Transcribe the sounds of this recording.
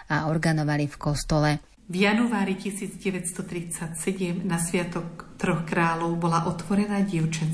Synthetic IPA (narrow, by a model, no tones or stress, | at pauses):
aɔɾɡanɔʋalifkɔst̪ɔlɛ | vjanuaːɾicisiːd͡zɟɛʋɛtst̪ɔt̪ɾit͡sacsɛɟɛmnasʋɪat̪ɔkt̪ɾɔxkɾaːlɔʊbɔlaʔɔt̪ʋɔɾɛnaːɟɪɛʊt͡ʃɛn